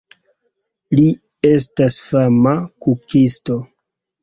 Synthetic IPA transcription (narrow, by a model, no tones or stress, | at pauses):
li | e̞s̬tasfamakukisto